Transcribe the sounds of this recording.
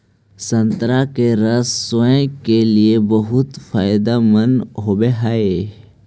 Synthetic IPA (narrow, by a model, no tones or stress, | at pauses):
sɐ̃nt̪ɾakeɾɐsːoẽkeliebəɦʊt̪faːɪd̪amənɦoːbeɦae